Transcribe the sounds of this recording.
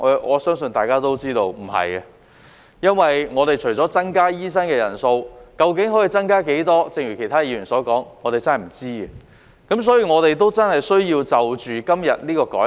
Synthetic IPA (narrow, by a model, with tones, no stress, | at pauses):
ɛ˨˧˥ɔː˨˧sœː˥ŋsɵ˧nt̪aː˨jkaː˥t̪o˥wt͡siː˥t̪o˧wm̩˨˩hɐ̰˨jɐ˧ | jɐ˥nwɐ˨jŋɔː˨˧t̪e˨jt͡ʃʰɵ˨˩ɥt͡sɔː˨˥t͡sɐ˥ŋkaː˥jiː˥s̬ɐ˥nkɛː˧jɐ̰˨˩nso˧wkɐ˧wkɪ˨˥ŋɦɔː˨˥ji˨t͡sɐ˥nkaː˥ke˨˥jt̪ɔː˥t͡sɪ˧ŋɥyː˨˩kʰe˨˩t̪ʰaː˥jiː˧jyː˨˩nsɔː˨˥kɔː˨˥ŋŋɔː˨˧t̪e˨jt͡sɐ˥nɦɐ˨˩m̩˨˩t͡siː˥ɛ˨ | kɐ˨˥ms̬ɔː˨˥jiː˨ŋɔː˨˧t̪e˨jt̪o˥wt͡sɐ˥nhɐ˨˩jsɵ˥ɥjiː˧wt͡sɐ˨wt͡ʃyː˨kɐ˥mjɐ˨t̚niː˥kɔː˧kɔː˨˥